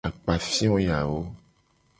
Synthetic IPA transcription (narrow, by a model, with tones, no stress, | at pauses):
a˨k͡pa˨fi˦ɔ̃˦ja˨wo˦